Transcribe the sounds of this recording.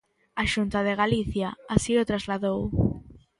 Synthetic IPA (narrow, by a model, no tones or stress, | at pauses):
aʃunt̪aðeɣaliθjaasiot̪ɾazlaðow